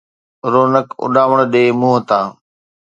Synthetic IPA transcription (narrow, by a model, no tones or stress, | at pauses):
ɾoːnəkʊ̰ɗaːʋəɳ̃ɗeːmũːɦət̪ãː